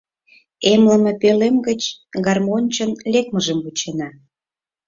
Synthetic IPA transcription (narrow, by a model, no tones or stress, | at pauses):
emlə̆mĕpelemɡət͡ɕɡɑrmonʲt͡ɕə̆nlek̚məʒəmbut͡ɕenɑ